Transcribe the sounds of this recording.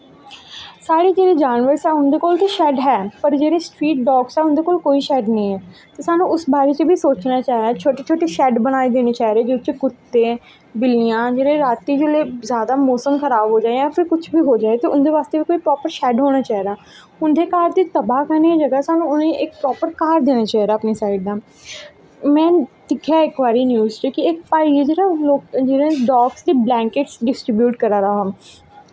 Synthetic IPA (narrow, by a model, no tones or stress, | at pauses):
saːɽiːd͡ʒeːɾeːd͡ʒaːnʋəɾsɛːʊnd̪eːkoːlt̪eːʃɛːɖɦɛːpəɾd͡ʒeːɾeːsʈɾiːʈ̚ɖɔːksɛːʊnd̪eːkoːlkoːiːʃɛːɖnəĩːɛːt̪eːsaːnũːʊsbaːɾeːt͡ʃbiːsoːt͡ʃnaːt͡ʃaːɦiɾaːt͡ʃʰoːʈeːt͡ʃʰoːʈeːʃɛːɖbənaːiːd̪eːneːt͡ʃaːɦɾeːd͡ʒet͡ʃɡʊt̪ːẽː | bɪlijãːd͡ʒeːɾẽːɾaːt̪iːd͡ʒoleːzjaːd̪amoːsəmkəɾaːbɦoːd͡ʒaːeãːfʰɪɾkʊt͡ʃʰbʱiɦoːd͡ʒaːet̪eʊnd̪eːʋaːst̪eʋikoːipɾɔːpəɾʃɛːɖɦoːnat͡ʃaːɦiɾaː | ʊnd̪eːkaːɾd̪iːt̪ɐbaːkəɾneid͡ʒɐɡasaːnũʊnẽʔɪk̚pɾɔːpəɾkaːɾd̪eːnaːt͡ʃaːɦiɾaːəpnisaːɪɖ̚d̪aː | mɛ̃ːt̪ɪkʰjaɪkʋaːɾiːnjuːzt͡ʃikiek̚paːied͡ʒeːɾaloːkd͡ʒeɾẽɖɔːɡsd̪iːblɛ̃ːŋkeʈsɖɪsʈɾɪbjuːʈkəɾaːɾaɦaː